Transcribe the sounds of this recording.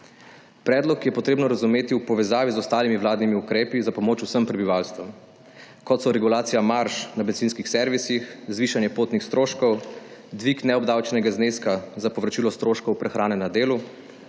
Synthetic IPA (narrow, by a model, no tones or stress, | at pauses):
pɾɛːd̪lɔkjɛpɔt̪ɾeːbnɔɾazumeːt̪iwpɔʋɛzaːʋizɔst̪aːlimiʋlaːd̪nimiukɾeːpizapɔmoːt͡ʃusəmpɾɛbiʋalst̪ʋɔm | kɔt̪sɔɾɛɡulaːt̪sijamaɾʃnabɛnzinskixsɛɾʋisixzʋiːʃanjɛpoːt̪nixst̪ɾoːʃkɔwd̪ʋiknɛɔbd̪awt͡ʃɛnɛɡazneːskazapɔʋɾɔt͡ʃilɔst̪ɾoːʃkɔwpɾɛxɾaːnɛnad̪eːlu